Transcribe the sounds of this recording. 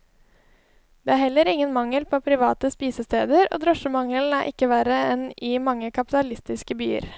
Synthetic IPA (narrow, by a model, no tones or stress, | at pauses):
d̪̥eːæːhɛlːəɾɪŋənmɑŋəlpʰoːpʰɾɪʋɑːt̪əspiːsəst̪eːd̪əɾo̰ːd̪ɾɔʃəmɑŋəl̩æ̰ːɾʔɪkːəʋæɾəɛnɪmɑŋːəkʰɑpɪ̥t̪ɑlɪst̪ɪskəby̰ːə̰ɾ